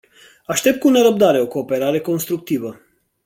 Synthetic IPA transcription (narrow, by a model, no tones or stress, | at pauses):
aʃt̪e̞p̚t̪kuneɾəp̚d̪aɾe̞o̞ko̞ːpe̞ɾaɾe̞ko̞nst̪ɾuk̚t̪ivə